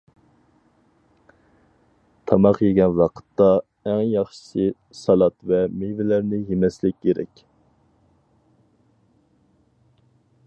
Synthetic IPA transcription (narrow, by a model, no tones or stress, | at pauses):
t̪ʰɑmɑqjeɡʲɛnwɑqʰə̥t̪ːɑ | ɛŋjɑχʃə̥sʰɨ | sɑlˠɑt̪vɛmevɪlæɾnɪjemɛslɪkʲjeɾɛ̰kʲ